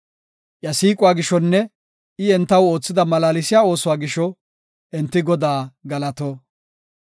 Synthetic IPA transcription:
ʔjɐsiːkʼʊwaːɡɪʃɔnːɛ | ɪɛnt̪ːɐwo̞ːt͡sːɪd̪ɐmɐlaːlɪsɪjaːo̞ːsʊwaːɡɪʃɔ | ʔɛnt̪ːɪɡɔd̪aːɡɐlɐt̪oː

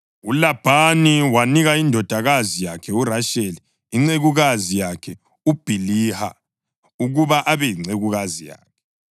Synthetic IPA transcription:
ulab̥ʱaniwaniɣaindʱɔd̥ʱaɣazijakʰɛuraʃeli | iŋ͡ǀeɣuɣazijakʰɛ | ub̥ʱiliha̰ | uɣuβaʔaβɛjiŋ͡ǀeɣuɣazija̰ːkʰɛ̥

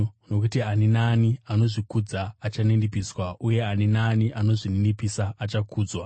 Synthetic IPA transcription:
no̞k̬utianinaːniano̞ʐikud͡zaːt͡ʃanenipiːswauje̞aninaːniʔano̞ʐinenipisaat͡ʃakʰuːd͡zwa

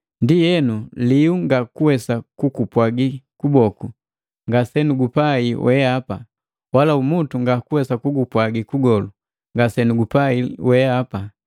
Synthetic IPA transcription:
ndijɛnuliuŋɡakuwɛsakukupwaɡikubɔku | ŋɡasɛnuɡupaiwʔɛapa | walaumutuŋɡakuwɛsakuɡupwaɡikuɡɔlu | ŋɡasɛnuɡupaiwɛapa

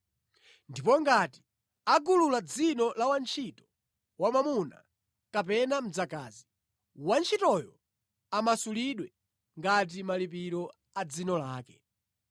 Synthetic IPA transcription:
ndipɔŋɡati̥ | aɡululad͡zinɔlawant͡ʃʰitɔ̥ | wamamuna̰ | kap̬ɛnam̩d͡zaka̰ːzi | want͡ʃʰitɔjɔ | amasuliɗwɛ | ŋɡat̬imalipiɾɔ | ad͡zinɔlaːkɛ

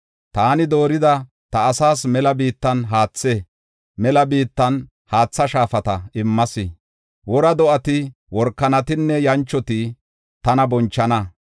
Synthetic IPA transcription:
t̪aːnɪd̪o̞ːɾɪd̪ɐ | t̪ɐːsaːsmɛlɐbiːt̪ːɐnɦaːt͡sːe | mɛlɐbiːt̪ːɐn | haːt͡sːɐʃaːfɐt̪ɐɪmːɐsɪ | wɔɾɐd̪ɔʔɐt̪ɪ | wɔɾkːɐnɐt̪ɪnːɛjɐnt͡ʃːɔt̪ɪ | t̪ɐnɐbɔnt͡ʃːɐnɐ

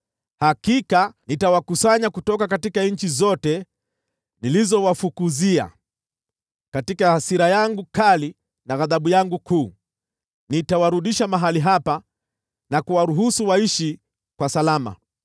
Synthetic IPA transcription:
hakikanitawakusaɲakutɔkakatikaɲ̩t͡ʃizɔtɛ | nilizɔwafukuzia̰ | katikahasiɾajaŋɡukali | naɣaðaɓujaŋɡukuː | nitawaɾuɗiʃamaɦaliɦapa | nakuwaɾuɦusuwaiʃi | kwasalama̰

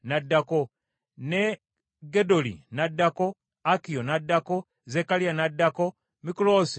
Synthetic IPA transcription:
nadːako | ne | ɡedolḭnadːako | akijonadːako | zekalijanadːako | mikulosi

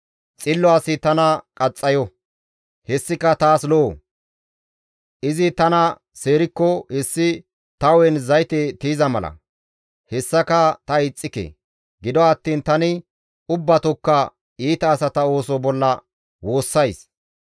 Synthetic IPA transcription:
t͡sʼɪlːɔaːsɪt̪ɐnɐkʼɐt͡sʼːɐjɔ | hɛsːɪkːɐt̪aːsloː | ʔɪzɪt̪ɐnɐ | se̞ːɾɪkːɔhɛsːɪ | t̪ɐwɛnzɐjt̪ɛt̪iːzɐmɐlɐ̰ | hɛsːɐkɐt̪ɐɪt͡sʼːɪkḛ | ɡɪd̪ɔɐt̪ːiːnt̪ɐnɪ | ʊbːɐt̪ɔkːɐ | iːt̪ɐːsɐt̪ɐo̞ːsɔbɔlːɐ | wo̞ːsːɐjs

